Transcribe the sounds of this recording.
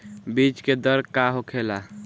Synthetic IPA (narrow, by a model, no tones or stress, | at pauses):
bit͡ʃked̪əɾkaɦokʰela